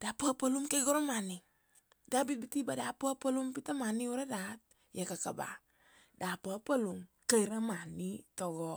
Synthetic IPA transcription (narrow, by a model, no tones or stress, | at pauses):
d̥apapalumkeɡɔɾomani | dabit̚bitibadapapalumpitamaniuɾadat̚ | jekakaba̰ | dapapalum | kaiɾamanitɔɡɔ